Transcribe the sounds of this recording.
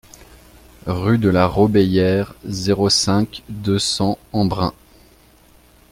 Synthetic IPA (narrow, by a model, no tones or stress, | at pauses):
ʁyd̪əlaʁɔbejɛʁzeʁosɛ̃kd̪øsɑ̃ɑ̃bʁɛ̰̃